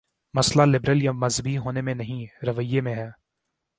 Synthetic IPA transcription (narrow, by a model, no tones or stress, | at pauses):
mɐslalɪbɾəljamɐzbʱiɦoːnemẽnɐɦĩɾɐʋəjːemẽɦɛː